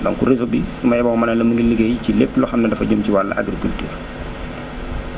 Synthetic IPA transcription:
lɔ̰ŋkuɾisobisumɐjɐbɔŋmɐnɐlɐmɐŋɡiliɡejcilepːlɔxɐmnɐdɐfɐɟomciwalːɐ̰ʔɐ̰ɡɾikultḭːr

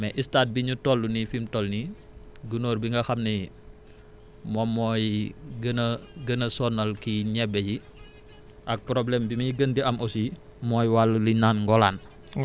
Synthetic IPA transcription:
mɛʔistat̚biɲutɔlːunifimtɔlni | ɡunoːrbiŋɡɐxɐmni | mɔmːɔjɡənɡənɐsɔnːɐlkiɲɛbɛji | ʔɐk̚pɾoblɛmbimiɡəndiɐmʔɔsi | mɔːjwalulinanŋɡɔlan

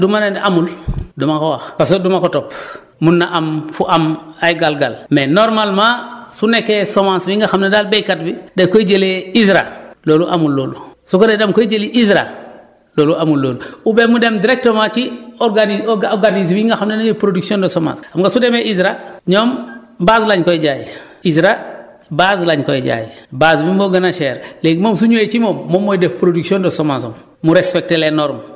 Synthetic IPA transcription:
dumanendʔamuldumakowaxpasodumakotop | munːaʔamfuʔamajɡalɡalmenoɾmalmãsunekesomãnsbiŋɡaxamnedalbejkatbidekoiɟeleizɾa̰loːluʔamulːoːlusukodedamkoiɟeliʔizɾa̰ | loːluʔamulːoːluubemudemdiɾek̚tomat͡ʃioɾɡanioɡaniz̬miŋɡaxamenajepɾoduksiondosoma̰samɡasudemeʔizɾaɲom | baːzlaɲkoɟaːjḭ | izɾa | bazlaɲkojeɟa̰ːjibazmimoɡanaʃeːɾleɡmomsuɲojekimomːomːojdefpɾoduksondosomas̬om | muɾespek̚telenoɾm

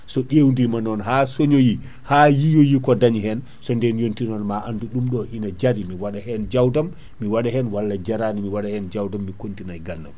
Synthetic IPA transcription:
sɔɗewndimanɔnɦaːsoɲoji | haːjijɔjikɔdaɲɦɛn | sɔndɛnjontinɔnmaʔanduɗumɗɔhinad͡ʒaɾimiwaɗahɛnd͡ʒawdamː | iwaɗahɛnwalːad͡ʒaɾaːnimiwaɗahɛnd͡ʒawdamːikontinajɡanːa̰m

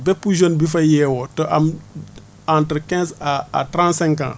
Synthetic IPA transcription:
bɛpːuʒonbif̬ɐjɛːwɔtoʔɐm | ãntɾkɛ̃ːzaa̰tɾãːntsɛ̃ŋkã̰ː

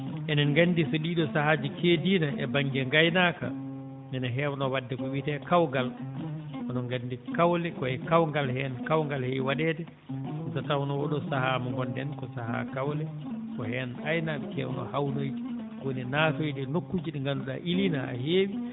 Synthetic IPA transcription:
ʔɛnɛnŋɡanːdiseɗiɗɔsahaːd͡ʒikediːnaʔɛ̰baŋɡɛŋɡajnaka̰ | minaɦɛwnɔwadːɛkɔwitɛkawɡal | ʔɔnɔŋɡandikawlɛkɔɛkawŋɡalhɛnkawŋɡalhɛjwaɗɛːtɛ | satawnɔwɔɗɔsahamɔŋɡɔndɛnkɔsaha̰kawlɛ | kɔhɛnajnamikɛ̰wnɔ̰hawnojdi̥ | ɡoninaːtojdɛnokːud͡ʒiɗɛŋɡanduɗa̰ʔilinaa̰heːwi

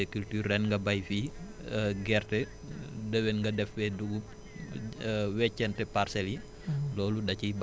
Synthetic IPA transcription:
ɛkyltyːrɛnŋɡɐbɐjfi | ɡɛrtɛ | dəwɛnŋɡɐdɛfwɛduɡu | wɛcːɛntɛparsɛli | lɔːludɐcib

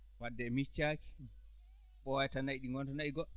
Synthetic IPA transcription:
wadːɛmit͡ʃːaki̥ | ɓɔwajtanaiɗiŋɡɔntanaiɡɔ

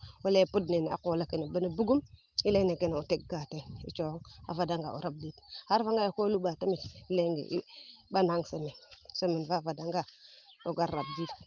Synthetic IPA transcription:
walepudnena̰kolakenebanebuɡum | ileŋnekeneotek̚ɡateit͡ʃoŋa̰vadaŋɡa̰o̰ɾab̚dithaɾvaŋɡaokoluɓatamitileŋɡḛʔiɓanaŋsemesemenvavadaŋɡa | oɡaɾab̚dit

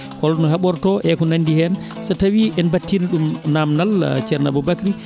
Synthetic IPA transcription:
kɔlnɔhaɓɔɾtɔʔɛkɔnandihɛn | satawiʔɛnbatːiniɗumnamnalt͡ʃɛɾna̰bɔbakɾi

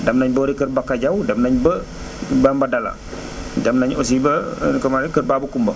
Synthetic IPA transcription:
damnaɲboɾikəɾbakad͡ʒawdamnaɲbə | bambadala̰ | damnaɲos̬ibəkəmaɾikəɾbabəkumbə

